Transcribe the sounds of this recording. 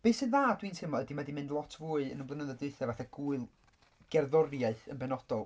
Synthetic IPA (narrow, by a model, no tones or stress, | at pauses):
b̥eɨsɨnðaːdwintʰɪmɔədimadimɪndlˠɔtʰvuːɨə̰nəmblˠənəðɛdɨɨθɛvaθaɡ̥uːɨlˠ | ɡ̥ɛrðɔrjaɨθənbɛnɔd̥ɔlˠ